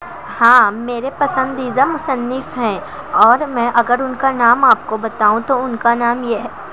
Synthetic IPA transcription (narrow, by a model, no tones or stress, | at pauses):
hãːmeːɾepɐsə̃nd̪id̪amʊsənːɪfɦɛ̃ː | ɔːɾmɛ̃ːʔɐɡəɾʊnkanaːmaːp̚kobɐt̪aːũt̪oʊnkanaːmjeɦɛː